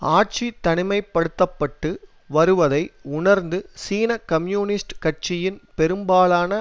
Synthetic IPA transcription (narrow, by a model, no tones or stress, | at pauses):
aːʈ̚t͡ʃit̪ːɐɳɪmɐɪpːɐɽɯt̪ːɐpːɐʈːɯ | ʋɐɾɯʋɐðɐɪʊnɐɾnd̪ɯsiːnɐkɐmjuːnɪsʈkɐʈ̚t͡ʃɪjɪnpɛɾɯmbaːlaːnɐ